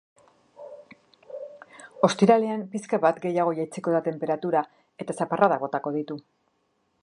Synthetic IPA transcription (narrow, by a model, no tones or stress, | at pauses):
o̞st̪iɾaleampiskaβat̪ɡe̞jaɣ̞o̞jajt͡seko̞ðat̪e̞mpe̞ɾat̪uɾa | e̞t̪asaparaðaɣo̞t̪ako̞ðit̪u